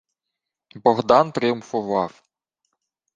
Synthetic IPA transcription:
bɔɣd̪ɑnt̪ɾʲɪʊmfʊʋɑw

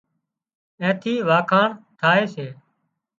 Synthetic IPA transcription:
ɛ̃ːt̪ʰiːʋaːkʰaːɳt̪ʰaːeːseː

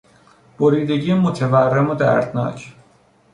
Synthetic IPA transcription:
b̥oɾiːd̪e̞ɟiːemot̪ʰeværːemod̪æ̰ɾd̪nɒ̰ːcʰ

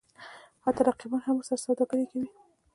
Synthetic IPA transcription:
hat̪aɾaqibɑnhamʊsaɾasɑwd̪aɡaɾekawi

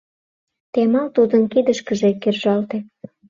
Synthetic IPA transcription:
t̪emɑlt̪ud̪ənkid̪əʃkəʒekerʒɑlt̪e

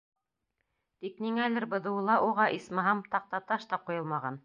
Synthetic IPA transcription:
t̪ikniŋælɘɾbɤ̆ðɤ̆wɤ̆lˠɑʔuʁɑʔismɤɦɑmt̪ɑq̚t̪ɑt̪ɑʃt̪ɑqujɤlˠmɑʁɑn

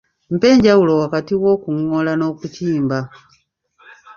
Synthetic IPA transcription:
m̩pe̞ːɲɟawulo̞wakatiwoːkumwolano̞kutʰiːmba

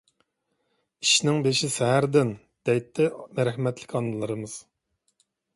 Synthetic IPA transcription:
iʃnɪŋbeʃisɛɦæɾd̪ɪn | d̪̥ɛjt̪ʰːɛmæɾɛhmɛt̪ʰlɪ̥kʲɑnːɨlˠɨɾɨmɨz̥

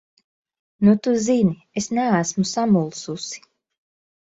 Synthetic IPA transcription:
nut̪uzini | esnææsmusamulˠsusi̥

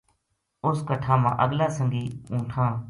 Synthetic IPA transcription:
ʊskəʈʰãːmã̰ːʔəɠlaːsəŋɡiːũːʈʰãː

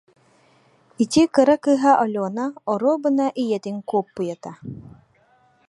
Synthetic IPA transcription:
it̪ʲikɯɾakɯːɦaʔɔlʲɔːnaɔɾoːbɯnaʔijɛt̪iŋkuːpːujat̪a

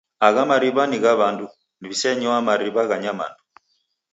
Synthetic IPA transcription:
aɣamaɾiβaniɣaβandu | niβisɛɲɔamaɾiβaɣaɲama̰ndu

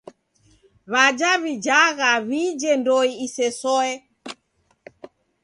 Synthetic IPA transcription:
βad͡ʒaβid͡ʒaɣaβid͡ʒɛndɔiisɛsɔɛ

